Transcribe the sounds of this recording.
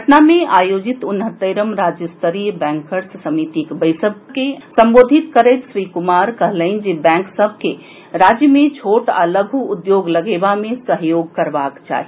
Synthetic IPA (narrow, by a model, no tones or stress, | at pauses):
əʈnamẽʔaːjoːd͡ʒɪt̪ʊnɦət̪ːəɾəmɾaːd͡ʒjəst̪əɾijbɛ̃ːŋkəɾssəmit̪ikbəɪsəb̚kesɐ̃mboːd̪ʱit̪kəɾeɪt̪ʃɾikʊmaːɾkəɦləɪnd͡ʒebɛ̃ːŋksəbʱke | ɾaːd͡ʒjəmẽt͡ʃʰoːʈə̰ləɡʱuːd̪joːɡləɡeːbamẽsəɦjoːɡ̚kɐɾʋaːkt͡ʃa̰ːɦi